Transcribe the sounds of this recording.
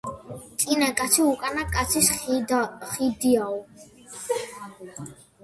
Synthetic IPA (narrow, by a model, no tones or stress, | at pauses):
t̪ʼinakʼat̪sʰiukʼanakʼat̪sʰis | χid̪iaɔ